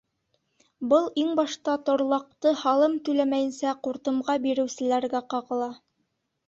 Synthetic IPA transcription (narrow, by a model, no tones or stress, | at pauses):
bɤlˠiŋbɑʃt̪ɑt̪ŏɾlˠɑq̚t̪ɤhɑlˠɤmt̪ɵ̆læmæjɘ̆nsæquɾt̪ɤ̆mʁɑbiɾɘ̆wsɘ̆læɾɡæqɑʁɤ̆lˠɑ